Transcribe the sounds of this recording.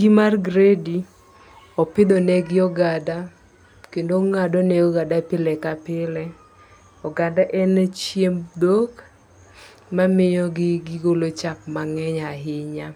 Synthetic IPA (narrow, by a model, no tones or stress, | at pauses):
ɡimarɡɾedi | ɔpɪd̪ɔnɛɡɪɔɡada | kendoŋadɔnɛɔɡadapɪlɛkapɪlɛ | ɔɡandaʔɛnt͡ʃjemd̪ok | mamɪjɔɡɪɡɪɡolot͡ʃap̚maŋɛɲaɦɪɲa